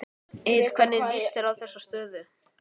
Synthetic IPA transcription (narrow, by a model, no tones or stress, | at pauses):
ej̥kʰv̥ɛnːɪðist̪ɛɾawθɛsːast̪œːðʏ